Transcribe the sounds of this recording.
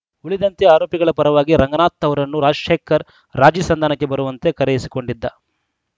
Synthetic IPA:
uɭid̪ɐnt̪eaːɾoːpiɡɐɭɐpɐɾɐʋaːɡiɾɐŋɡɐnaːt̪ːɐʋɐɾɐnːuɾaːd͡ʒʃeːkːɐɾː | aːd͡ʒiːsɐnd̪ʱaːnɐkːebɐɾuʋɐnt̪e̞kɐɾejisi̥ko̞ɳɖid̪ːɐ

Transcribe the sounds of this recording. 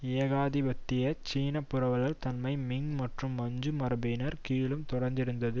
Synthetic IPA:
ɪjɐɣaːðibɐt̪ːɪjɐt͡ʃiːnɐpːɯɾɐʋɐlɐlt̪ɐnmɐɪmɪŋmɐʈrɯmːɐɲd͡ʒɯmɐɾɐbɪnɐɾkiːɭɯmt̪ɔɽɐɾnd̪ɪɾɯnd̪ɐðɯ

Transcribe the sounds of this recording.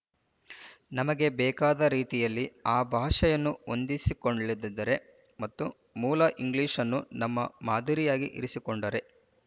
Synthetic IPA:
nɐmɐɡe̞bɛːkaːd̪ɐɾiːt̪ijɐlːiaːbʱaːʂɐjɐnːuo̞nd̪isikoɳɖɐlid̪ːɐd̪ːɐɾe̞ | mɐt̪ːu | muːlɐʔiŋɡliːʂɐnːunɐmːɐ̰maːd̪ʱiɾijaːɡiʔḭɾisikoɳɖɐɾe̞

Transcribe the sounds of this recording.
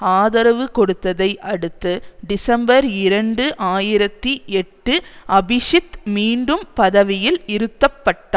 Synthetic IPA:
aːðɐɾɐʋɯkɔɽɯt̪ːɐðɐɪʔɐɽɯt̪ːɯɖɪsɐmbɐɾɪɾɐɳɖɯʔaːjɪɾɐt̪ːiʔɛʈːɯʔɐbɪʂɪt̪miːɳɖɯmpɐðɐʋɪjɪlɪɾɯt̪ːɐpːɐʈːɐ

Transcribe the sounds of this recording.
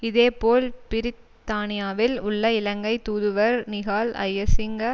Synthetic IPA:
ɪðeːpoːlpɪɾɪt̪ːaːnɪjaːʋɪlʊɭːɐɪlɐŋɡɐɪt̪uːðɯʋɐɾnɪɣaːlɐ̰jɐsɪŋɡɐ

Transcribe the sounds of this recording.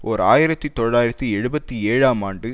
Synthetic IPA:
ʔɔɾa̰ːjɪɾɐt̪ːit̪ɔɻaːjɪɾɐt̪ːiɛɻɯbɐt̪ːieːɻaːmaːɳɖɯ

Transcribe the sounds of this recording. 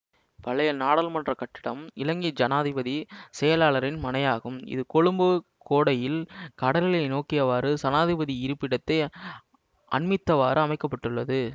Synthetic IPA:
pɐɭɐjɐnaːɽɐlmɐndrɐkɐʈːɪɽɐ̰mɪlɐŋɡid͡ʒɐnaːðɪbɐðisɛjɐlaːlɐɾɪnmɐnɐjaːɣɯmɪ̰ðɯkɔɻɯmbɯkoːɽɐjɪlkɐɽɐlɪlɐɪnoːkːɪjɐʋaːɾɯsɐnaːðɪbɐðiɪɾɯpːɪɽɐt̪ːɐɪ | ʔɐ̰ɳmɪt̪ːɐʋaːɾɯɐmɐɪkːɐpːɐʈːɯɭːɐðɯ

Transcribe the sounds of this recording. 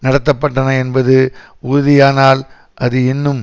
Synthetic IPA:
nɐɽɐt̪ːɐpːɐʈːɐnɐɛnbɐðɯ | ʊɾʊðɪjaːnaːl | ʔɐðɯɪnːɯm

